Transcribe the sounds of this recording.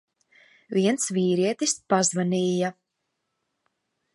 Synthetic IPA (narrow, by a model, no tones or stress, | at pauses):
viɛnt̪sviːɾiɛt̪ispazvaniːja